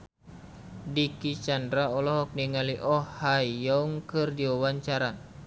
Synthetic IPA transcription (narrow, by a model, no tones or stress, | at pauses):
dikit͡ʃandɾaɔlɔɦɔk̚niŋaliʔɔhhajɔŋkɨrdiwawaɲt͡ʃaɾa